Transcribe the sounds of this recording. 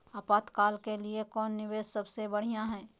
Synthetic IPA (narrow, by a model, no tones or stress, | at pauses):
apaːt̪kaːlkeliekɔːnːɪʋeːssɐbsebɐɽ̤ijãɦɛ̃ː